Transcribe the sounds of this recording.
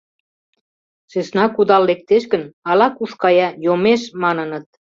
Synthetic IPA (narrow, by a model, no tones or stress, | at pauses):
ʃeʃnɑkud̪ɑlːek̚t̪eʃkə̆nɑlɑkuʃkɑjɑjomeʃmɑnənə̆t̪̚